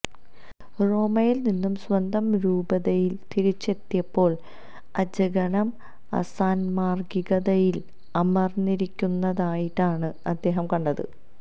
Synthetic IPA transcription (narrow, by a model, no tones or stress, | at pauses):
ro̞ːmɐjilninːumswɐnd̪ʱɐmɾuːbɐðɐjilt̪iɾit͡ɕːe̞t̪ːjɐpːo̞ːɭ | ɐd͡ʑɐɡɐɳɐm | ɐ̰saːnmaːrɡiɣɐðɐjil | ɐmɐrniɾikʲːunːɐðaːjiʈːaːɳɨɐd̪ːe̞ːɦɐmkɐɳɖɐðɨ̰